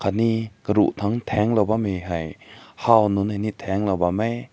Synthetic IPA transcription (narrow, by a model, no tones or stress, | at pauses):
kʰanikəɾṵʔt̪ʰaŋt̪ʰɛŋlawbamejɦajhawnunajnit̪ʰɛŋlawbamaj